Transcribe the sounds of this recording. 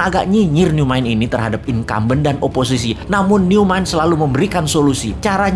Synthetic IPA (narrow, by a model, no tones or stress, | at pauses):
aɡa̰ʔɲiɲɪrniumaɪninit̪ərɦadap̚inka̰mbəndanʔopos̬is̬inamʊnːiumaɪnsəlaluməmbəɾikansolusit͡ʃaɾa